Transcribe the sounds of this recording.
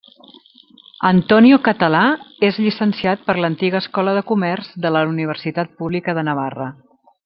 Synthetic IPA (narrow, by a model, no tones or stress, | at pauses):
ənt̪ɔniukət̪əlaezʎisənsiat̪̚pəɾlənt̪iɣəːskɔləðəkumɛrzðələuniβ̞ərsit̪at̪̚puβlikəðənəβarə